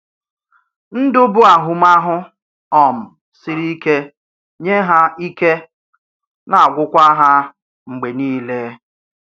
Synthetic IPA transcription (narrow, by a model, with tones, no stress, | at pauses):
n̩˦dʊ˦bʊ˦a˨ɦʊ˨m̩˦a˦ɦʊ˦ | ɔ˨m̩˨ | si˦ɾi˦ke˦ | ɲe˦ɦa˦i˦ke˦ | na˨a˨ɡʷʊ˦kʷa˦ɦa˦ | ŋ͡m̩˨ɡ͡be˨niː˦le˦